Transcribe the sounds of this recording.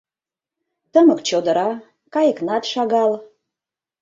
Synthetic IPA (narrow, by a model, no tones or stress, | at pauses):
t̪əməkt͡ɕod̪əɾɑ | kɑjəknɑt̪ʃɑɣɑl